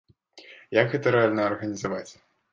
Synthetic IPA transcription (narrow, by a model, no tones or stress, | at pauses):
jakɣɛt̪ɐɾɛalʲnɐɐrɣɐnʲizavat͡sʲ